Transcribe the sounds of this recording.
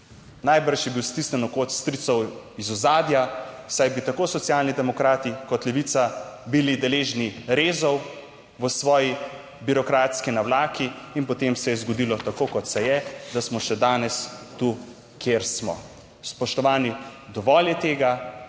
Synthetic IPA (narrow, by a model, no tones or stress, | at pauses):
najbəɾʃjɛbiwst̪isnɛnɔkot̪st̪ɾit̪sɔwizɔzaːd̪jasajbit̪akosɔt̪sjalnid̪ɛmɔkɾaːt̪ikɔt̪lɛʋit̪sabilid̪ɛleːʒniɾeːzɔw | ʋəsʋɔːji | biɾɔkɾaːt̪skinawlaːkiːnpɔt̪emsɛjɛzɡɔd̪ilɔt̪akokɔt̪sɛjɛd̪asmɔʃɛd̪aːnɛst̪u | kʰjeɾsmɔ̰ | spɔʃt̪ɔʋaːnid̪ɔʋɔːljɛt̪eːɡa